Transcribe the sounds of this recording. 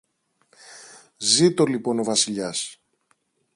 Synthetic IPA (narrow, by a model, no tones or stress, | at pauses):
zit̪o̞lipo̞no̞vɐsiʎɐs